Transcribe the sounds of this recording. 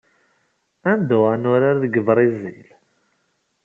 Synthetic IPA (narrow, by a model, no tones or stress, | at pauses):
ænd̪ʊʁanʊɾaɾðəɡəvɾˤizil